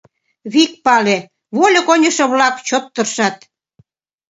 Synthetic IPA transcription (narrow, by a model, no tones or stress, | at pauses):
βik̚pɑle | βolʲɤ̆konʲə̆ʃɤ̆βlɑkt͡ɕot̪ːə̆rʃɑt̪